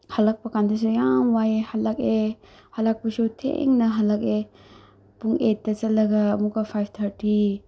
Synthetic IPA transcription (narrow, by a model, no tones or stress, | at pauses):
hɐlɐk̚pɐkandis̬ujamwajhɐlɐke | hɐlak̚pɐsotʰḛŋnɐɦɐlɐke | puŋetːɐt͡ʃɐlːɐɡɐmukɐpʰajb̚ʰt̪ʰɐɾti